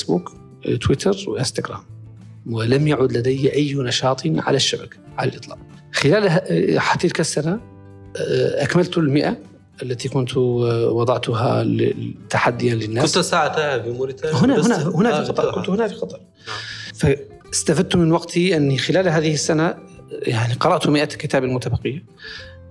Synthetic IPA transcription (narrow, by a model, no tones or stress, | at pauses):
sbṵːk | t̪wit̪ʰɑɾˤwʔɪst̪aɡɾa̰ːm | wəlæmjaʕud̪lad̪æjʔajːnɑʃɑːt̪ˤiʕa̰laʃːabakḁʕalælʔɨt̪ˤlɑ̰ːʔ | xəlælħat̪ːilkasːana | ʔakməlt̪ʊlmɪʔa | ʔəlːæt̪ikʊnt̪wɑd̪ˤɑʕt̪ʊɦalt̪ːaħad̪ːɪjalɪnːaːt̪saʕat̪ahbmʊɾt̪ahʊnahʊnhʊnafiɑt̪ˤɑkʊnt̪hʊnafixɑt̪ˤɑɾˤ | fa | ɪst̪afad̪̚t̪umɪnwɑɡt̪ʰiʔɪnːixɪlæːlɦaːðɪhɪsːana | jaʕniqɑɾˤɑʔt̪ʊmɪʔakɪt̪aːbalmʊt̪abɑqɪjːa